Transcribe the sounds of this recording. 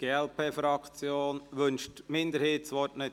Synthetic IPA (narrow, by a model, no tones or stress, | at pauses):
ɡ̥eːɛlpʰeːfɾɑkt͡sjoːnʋʏnʃtmɪnd̪əɾheːtsʋɔtnɪ